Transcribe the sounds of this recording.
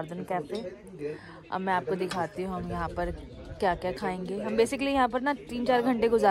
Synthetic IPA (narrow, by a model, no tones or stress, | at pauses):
ɾd̪ənkɛːpeː | ɐ̰mɛ̃ːaːp̚kod̪ɪkʰaːt̪iɦũɦɐ̃jɐɦãpɐɾ | kjaːkjaːkʰaːẽːŋɡeːɦɐmbeːsɪkəlijɐɦãp̬ɐɾnɐt̪iːnt͡ʃaːɾɡʱɐ̃ɳʈeɡʊzaː